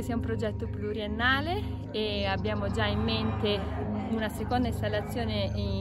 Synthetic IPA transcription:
siaumpɾod͡ʒɛt̪ːopluɾienːaːle | eabːjaːmod͡ʒaimːent̪e | unasekond̪aist̪alːat̪sːjoːnei

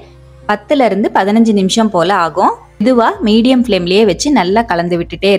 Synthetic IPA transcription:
pɐt̪ːɪlɐɪɾɯnd̪ɯpɐðɪnɐɲd͡ʒɯnɪmɪʂɐmpoːlɐaːɣʊ̃ | ɪðɯʋaːmiːɽɪjɐmfɪleːmɪlɐjeːʋɐt͡ʃːɯnɐlːaːkɐɭɐnd̪ɯʋɪʈːɯʈːeː

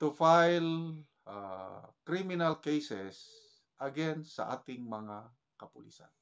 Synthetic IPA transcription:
t̪ʊfajl | akɾimɪnalkejsɛs | ʔɐɡɛnsɐ̰ʔa̰t̪ɪŋmɐŋa | kɐpʊlḭsa̰n

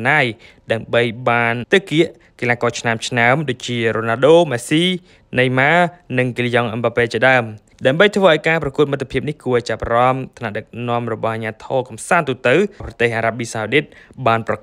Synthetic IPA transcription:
naːjɗaəmɓəjɓaːnt̪ɨkiəʔ | kilaːkɔːt͡ɕʰnamt͡ɕʰnaəmɗoːc̚t͡ɕiəroːnaːɗoːmasiː | nɨjmaːnɨŋkilijɑŋʔambapeːlt͡ɕiəɗaəm | ɗaəmɓəjt̪ʰʋəːʔaɔjkaːprɑkuət̪̚mɨt̪ʰːepʰiəp̚nihkuəʔt͡ɕap̚arɑmt̪ʰanaʔɗək̚nŏəmrɔɓɑhʔaɲaːt̪ʰɔːkɑmsaːnt̪uːt̪ɨwprɑt̪eːhʔaːɾaɓiːsawɗit̪̚ɓaːnprɑk

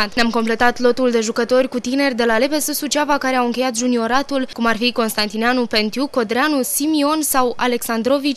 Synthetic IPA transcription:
t̪neamko̞mple̞t̪at̪lo̞t̪uld̪e̞ʒukət̪o̞rʲkut̪ine̞rʲd̪e̞lale̞pe̞sɨsut͡ʃavakaɾeawɨŋkʲe̞jat̪ʒunio̞ɾat̪ulkumarfiko̞nst̪ant̪ineanupe̞nt̪juko̞d̪ɾeanusimio̞nsawa̰le̞ksand̪ɾo̞vit͡ʃʲ

